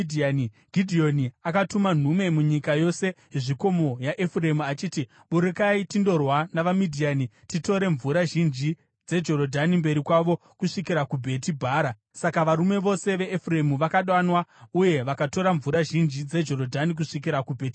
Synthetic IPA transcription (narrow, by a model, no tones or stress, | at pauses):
dʱiani | ɡʱidʱio̞niakatuman̤ume̞muɲikajo̞se̞ɦeʐiko̞mo̞jaʔefuremuat͡ʃiːti | ɓuɾikaitindo̞rwanaʋamidʱianitito̞ɾe̞ɱvuɾaʒind͡ʒi | d͡ze̞d͡ʒo̞ɾodʱanimbe̞ɾikwaʋo̞ | kuʂikiɾakubʱe̞tibʱaːɾa | sakaʋaɾume̞ʋo̞se̞ʋe̞ːfure̞muʋakaɗwanwauje̞ʋakato̞ɾaɱvuɾaʒind͡ʒid͡ze̞d͡ʒo̞ɾo̞dʱanik̬uʂikiɾakubʱeːti